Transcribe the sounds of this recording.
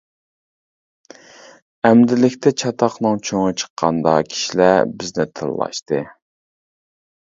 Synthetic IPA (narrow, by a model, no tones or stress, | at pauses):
æmd̪ɪlɪkʲt̪ʰɛt͡ʃʰɑt̪ʰɑqnɨŋt͡ʃʰøŋɨt͡ʃʰə̥qʰːɑ̰nd̪ɑkʲʰi̥ʃilæbɪznɪt̪ʰɨ̰llˠɑ̰ʃt̪ɨ